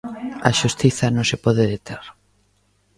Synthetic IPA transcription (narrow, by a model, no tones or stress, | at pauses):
ɐ̰ʃust̪iθɐnõŋsepɔðeðet̪eɾ